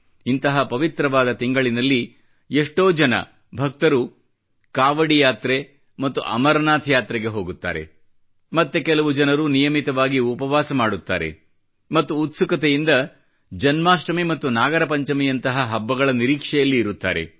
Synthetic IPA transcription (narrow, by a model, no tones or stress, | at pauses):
int̪ɐɦɐpɐʋit̪ɾɐʋaːd̪ɐt̪iŋɡɐɭinɐlːi | eʂʈo̞ːd͡ʒɐnɐ̰ | bʱɐk̚t̪ɐɾu | kaːʋɐɽijaːt̪ɾe | mɐt̪ːṵʔɐ̰mɐɾɐnaːt̪ʰjaːt̪ɾɛɡe̞ɦo̞ːɡut̪ːa̰ːɾe̞̰ | mɐt̪ːekɛlɐʋud͡ʒɐnɐɾunijɐmit̪ɐʋaːɡiupɐʋaːsɐmaːɽut̪ːa̰ːɾe̞̰ | mɐt̪ːuːt̪sukɐt̪ejind̪ɐ | d͡ʒɐnmaːsʈɐmimɐt̪ːunaːɡɐɾɐpɐɲt͡ʃɐmijɐnt̪ɐɦɐɦɐbːɐɡɐɭɐniɾiːkʂɛjɐlːiːɾut̪ːa̰ːɾe̞̰